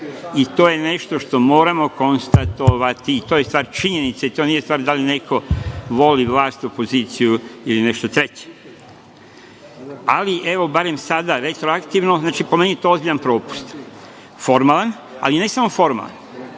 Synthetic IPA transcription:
it̪oje̞ne̞ʃt̪o̞ʃt̪o̞mo̞ːɾamo̞ko̞nst̪at̪oʋat̪iːt̪ojest̪ʋaːɾt͡ʃiɲenit̪seit̪oniːjest̪ʋaːɾd̪aline̞kʰo̞ʋo̞liʋlˠaːst̪o̞po̞ziːt̪sijuiline̞ʃt̪o̞t̪ɾet͡ɕe̥ | aliʔe̞ʋo̞baɾe̞msad̪aɾe̞t̪ɾoakt̪iʋno̞znaːt͡ʃipomenijet̪o̞ːozbiʎanpɾo̞ːpu̥st̪ | fo̞ɾmalˠan | a̰line̞samo̞fo̞ɾma̰la̰n

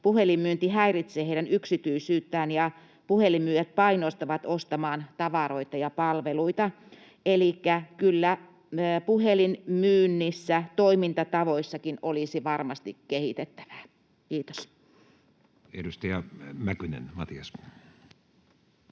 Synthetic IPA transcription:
puhelimmyːnt̪ihæirit̪seːheˑiɾænyksit̪yisyːt̪ːæːnjɑ | puhelimmyːjet̪̚pɑinost̪ɑʋɑt̪ost̪ɑmɑːnt̪ɑʋɑroit̪ɑjɑpɑlʋeluit̪ɑ | elikːækylːæ | puhelinmyːnːisːæt̪oimint̪ɑt̪ɑʋoisːɑkinolisiʋɑrmɑst̪ikkehit̪et̪ːæ̥ʋæ̥ | kiːt̪o̥s | ḛdust̪ɑjɑmækynḛnmɑ̰t̪iɑs

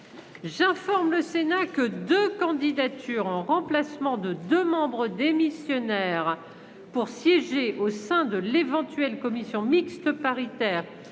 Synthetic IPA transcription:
ʒɛ̃fɔʁmləsenakəd̪økɑ̃d̪id̪at̪yʁɑ̃ʁɑ̃plasmɑ̃d̪əd̪ømɑ̃bʁəd̪emisjɔnɛʁ | puʁsjɛʒeʔosɛ̃d̪əlevɑ̃t̪ɥɛlkɔmisjɔ̃mikst̪əpaʁit̪ɛːʁ

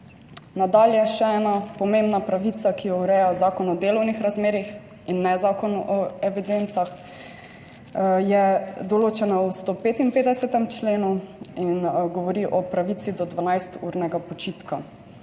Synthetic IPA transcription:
nad̪aːljɛʃɛɛːnapɔmembnapɾaʋit̪sakijɔuɾɛjazaːkɔnɔd̪eːlɔwnixɾazmeːɾix | inːɛzaːkɔnʔɔɛʋid̪ent̪sax | jɛd̪ɔloːt͡ʃɛnawst̪oːpeːt̪inpeːd̪ɛsɛt̪ɛmt͡ʃleːnuinɡɔʋɔɾiʔɔpɾaʋit̪sid̪ɔd̪ʋanajst̪ṵːɾnɛɡapɔt͡ʃit̪ka

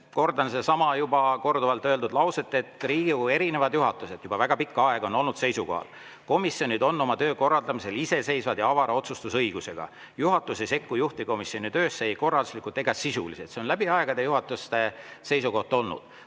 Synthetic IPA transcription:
ko̞rd̪ɑnsesɑmɑjubɑko̞rd̪uvɑlt̪ːˑøːld̪ud̪lɑwse̞t̪ːˑe̞t̪riːɡue̞ɾine̞vɑd̪juɦɑt̪ːˑuse̞d̪̥jub̥ɑvæɡ̥ɑpikːɑeɡ̥o̞no̞lnud̪se̞jsuko̞hɑ̰l | ko̞misjonid̪o̞nːo̞mɑt̪ø̞ːko̞rːɑld̪ɑmise̞lise̞se̞jsvɑd̪jɑɑvɑɾɑo̞t̪sust̪usɤjɡ̥use̞ɡ̥ɑ̰ | juɦɑt̪ːˑusese̞kːujuht̪iko̞misjo̞nit̪ø̞ːsːejko̞rɑld̪uslikːˑult̪ːˑe̞ɡ̥ɑsisṵlise̞t̪se̞o̞nlæbiɑeɡ̥ɑd̪ejuɦɑt̪ːˑust̪ese̞jsuko̞ht̪ɑo̞lnṵd̪̥

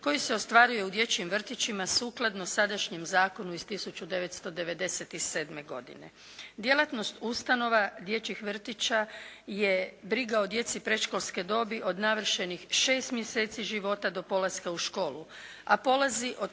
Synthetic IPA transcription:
ko̞jiseost̪ʋaɾuje̞ud̪je̞t͡ɕimʋr̩t̪it͡ɕimasuːklˠad̪nosad̪aʃɲemzaːko̞nuizst̪isut͡ɕud̪e̞ʋe̞t̪st̪o̞d̪e̞ʋe̞d̪e̞set̪ise̞ːd̪me̞ɡo̞̰d̪ḭne̞̰ | d̪je̞lˠat̪no̞st̪ust̪ano̞ʋad̪je̞t͡ɕixʋr̩t̪it͡ɕaje̞bɾiɡao̞d̪je̞t̪sipɾe̞ʃkolˠske̞d̪o̞biʔo̞d̪naʋr̩ʃenixʃeːst̪mjese̞ːt̪siʒiʋo̞t̪ad̪o̞po̞laskauʃko̞ːlu | apo̞laziʔo

